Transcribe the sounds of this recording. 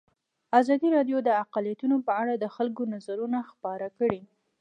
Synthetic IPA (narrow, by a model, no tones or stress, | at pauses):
azɑd̪iɾɑɖjod̪əaqalijat̪unopəaɽad̪əxalkonazaɾunaxpɑɾakəɽi